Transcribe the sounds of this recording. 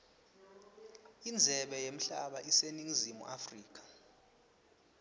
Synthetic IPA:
ind͡zʱɛɓɛjem̩ɬaɓaʔiseniŋizimṵʔafriːk̬ʼḁ

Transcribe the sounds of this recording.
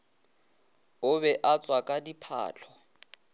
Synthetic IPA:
ʊbɛʔat͡sʼwakʼadipʰa̰ːt͡ɬʰɔ

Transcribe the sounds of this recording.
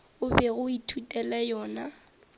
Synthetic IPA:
ʊbɛɣʊitʰutʼɛlɛjɔːna

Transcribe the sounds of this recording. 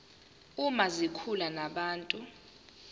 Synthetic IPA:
umazikʰulanaɓaːntʼu

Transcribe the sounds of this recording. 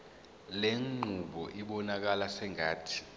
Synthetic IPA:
leŋ͡ǃʱuɓɔʔiɓɔnak̬alasɛŋaːtʰi̥

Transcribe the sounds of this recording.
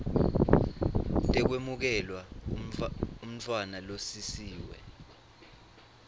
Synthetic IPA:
tʼɛk̬wemuk̬ɛlwa | um̩t͡fʰʼwanalosisiːwɛ̰

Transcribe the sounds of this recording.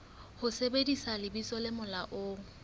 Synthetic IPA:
hʊsebedisalɪbisɔlɪmʊlaʔoːŋ̩

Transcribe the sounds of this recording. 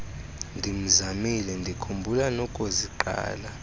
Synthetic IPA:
ndʱim̩zamilɛndʱikʰumbʱulanɔkʼoziǃa̰ːla

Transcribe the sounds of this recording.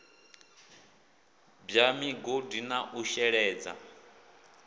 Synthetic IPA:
bjamiɡodinaʔuʃɛɺɛːd͡za̰

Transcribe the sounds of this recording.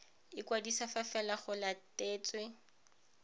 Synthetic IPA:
ɪkwadisafafɛlaχʊlateːt͡sʼwe

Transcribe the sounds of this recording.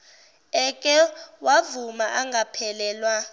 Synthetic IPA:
ɛkʼɛwavumaʔaŋɡʱapʰɛlɛːlwa

